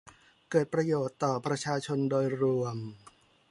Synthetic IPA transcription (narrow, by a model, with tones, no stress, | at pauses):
kɤː˨˩t̪̚pɾa˧joː˨˩t̪ːɔː˨˩pɾa˧t͡ɕʰaː˧t͡ɕʰo˧ndoː˧jɾu˧əm